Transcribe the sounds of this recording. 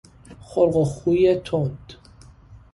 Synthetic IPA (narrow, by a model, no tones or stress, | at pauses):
χolɢoχujet̪ʰod̪̥